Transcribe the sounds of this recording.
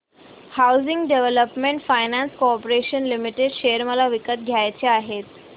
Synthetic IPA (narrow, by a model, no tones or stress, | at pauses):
hawziŋɡɖeʋeləpmeɳʈfajnanskoɔpɾeɕənlimiʈeɖɕeəɾməlaʋikət̪̚ɡʱjajt͡ɕeaɦet̪